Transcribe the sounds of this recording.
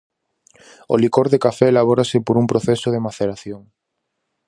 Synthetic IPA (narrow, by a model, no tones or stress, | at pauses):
o̰likoɾðekafɛːlaβ̞oɾasepoɾumpɾoθɛsoðemaθeɾaθjoŋ